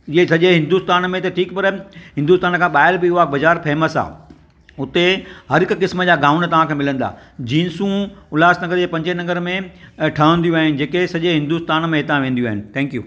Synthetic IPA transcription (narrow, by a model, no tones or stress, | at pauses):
ɪɦesɐʄeɦɪ̃nd̪uːst̪aːnmẽt̪ɐʈʰiːkpɐɾɦɪ̃nd̪uːst̪aːnkʰãːɓaːɪɾbɪaːbɐzaːɾpʰɛːməsa̰ː | ʊt̪ehɐɾɪkkɪsməd͡ʑaːɡãːʊnt̪ɐʋ̤ãkʰẽmɪlə̃nd̪a̰ːd͡ʑĩːnsũʊlaːsnɐɡəɾd͡ʑeːpɐ̃ɲd͡ʑenɐɡəɾmẽʈʰãːə̃nd̪ijũaːɦɪnɪ̆d͡ʑeːkesɐʄeɦɪ̃nd̪uːst̪aːnmẽɦɪt̪ãʋẽːn̆d̪jũaːɦɪnɪ̆t̪ʰɛ̃ːŋkjṵː